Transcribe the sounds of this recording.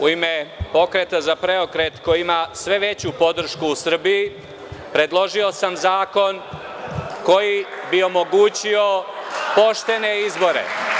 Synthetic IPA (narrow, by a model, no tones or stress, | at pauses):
uime̞po̞kɾe̞t̪azapɾe̞o̞kɾe̞t̪ko̞jiimasʋe̞ʋe̞t͡ɕupo̞d̪r̩ʃkuːsr̩biji | pɾe̞d̪lˠo̞ʒio̞samzaːko̞n | ko̞jibio̞mo̞ɡuːt͡ɕio̞po̞ʃt̪e̞ne̞izbo̞ɾe̞̰